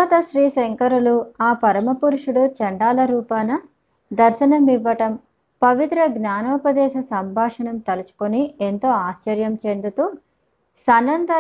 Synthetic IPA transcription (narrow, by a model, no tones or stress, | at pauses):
t̪ɐʃɾiːseŋkɐɾuluaːpɐɾɐmɐpuɾuʂuɽut͡ʃɐɳɖaːlɐɾuːpaːnɐ | d̪ɐɾʃɐnɐmiʋːɐʈɐm | pɐʋit̪ɾɐɡnaːnɔːpɐd̪ɛːʃɐsɐmbʱaːʂɐɳɐmt̪ɐlut͡ʃu̥kunient̪o̞ːaːʃt͡ʃɐɾjɐmt͡ʃe̞nd̪ut̪u | sɐnːɐnd̪ʱɐ